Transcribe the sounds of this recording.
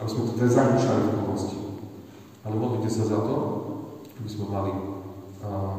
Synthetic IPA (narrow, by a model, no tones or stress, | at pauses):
abizmɛt̪ɔt̪ɾɛzamiːʃlalipɔɦlasci | alɛumɔd̪licɛsazat̪ɔ | abizmɛmali